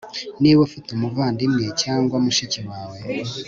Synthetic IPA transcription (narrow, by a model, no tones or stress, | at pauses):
niwefitumuvaːndimŋecaːŋɡwamuʃiciwaːwe̞